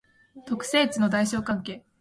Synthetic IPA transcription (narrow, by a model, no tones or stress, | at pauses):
t̪o̞kɯ̟̥se̞ːt͡sɨno̞d̪aiɕo̞ːkãŋke̞ː